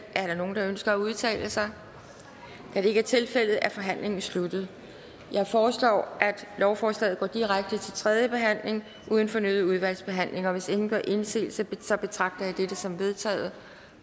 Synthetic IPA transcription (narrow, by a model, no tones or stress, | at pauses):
ʔæɐɾɑ̈no̝ːn̩d̥ɑ̈ønsɡ̥ɐæuð̞ˠt͡sʰɛ̰ːləsɑ̈ɪ | kʰæɾ̥e̝e̝ɡ̥æɐt͡sʰe̝lfel̰ð̩ˠæɐfɒ̽ɦæn̰le̝ŋn̩slud̥ð̞̩ˠ | jɑ̈ɪfɒːslɒ̰ːʔæd̥lɒʊfɒːslɛ̰ːð̩ˠɡɒ̰ːd̥iʁaɡ̥̚d̥ət͡sʰe̝lt͡sʰʁɛð̞ˠjəb̥e̝ɦæn̰le̝ŋ | ʔuːð̞ˠn̩fɒ̽nøːðˠuð̞ˠʋæl̰sb̥e̝ɦæn̰le̝ŋɐɒʋe̝se̝ŋn̩ɡ̥ɶɐ̰ʔe̝nse̝̰ːlsɒsɒ̽b̥e̝t͡sʰʁɑ̈ɡ̥̚d̥ɐjɑ̈ɪd̥ed̥əsɒ̽mʋe̝ð̞ˠt͡sʰɛ̰ːð̞̩ˠ